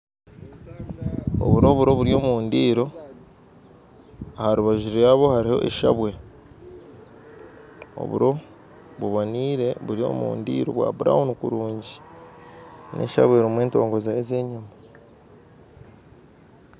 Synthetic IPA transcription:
o̰βuɾo̞βuɾo̞βuɾjo̞ːmuːndiːɾo̞ | haɾuβaʒiɾeaβo̞haɾiho̞̰ʔḛʃa̰βwe̞ | o̞̰βṵɾo̞ | βuβoniːɾe̞βuɾio̞̰ːmṵːndḭːɾo̞̰βwa̰ːβuɾa̰hunukuɾuːɲɟi | nʔe̞̰ʃa̰βwe̞ɾimwe̞ːnto̞̰ːŋɡo̞zaeze̞ːɲuma

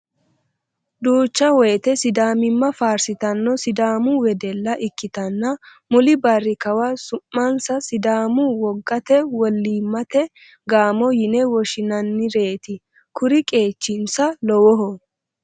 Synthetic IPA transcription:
d̪uːt͡ʃːɐwɔjɛt̪ɛsɪd̪aːmɪmːɐfaːɾsɪt̪ɐnːɔsɪd̪aːmʊwɛd̪ɛlːɐʔɪkːɪt̪ɐnːɐ | mʊlɪbɐrːɪkɐwasʊmːɐnsɐsɪd̪aːmʊwɔɡːɐt̪ɛwɔlːiːmːɐt̪ɛ | ɡaːmɔjɪnɛwɔʃɪnɐnːɪɾe̞ːt̪ɪ | kʊɾɪkʼe̞ːt͡ʃːɪnsɐlɔwɔɦɔ

